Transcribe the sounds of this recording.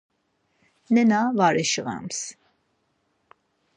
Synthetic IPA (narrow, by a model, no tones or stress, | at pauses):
nɛnavaɾiʃəʁɑ̰ms